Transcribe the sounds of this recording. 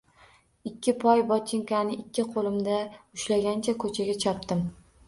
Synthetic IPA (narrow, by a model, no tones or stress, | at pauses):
ɪkʲːɪpʰɒjbɒt͡ʃ̪ʰɪŋkanɪʔɪkʲːɪqʰolˠɪmd̪aʊʃlaɡʲant͡ʃʰakʰɵt͡ʃʰaɡʲat͡ʃʰɒp̚t̪ɪm